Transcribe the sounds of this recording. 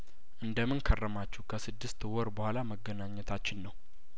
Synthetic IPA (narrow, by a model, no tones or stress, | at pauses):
ʔɨnd̪əmɨnkʰərːəmat͡ʃːɛhkʰəsɨd̪ːɨst̪wɔɾbəhʷalaməɡːənaɲːɛt̪ʰat͡ʃːɪnːəw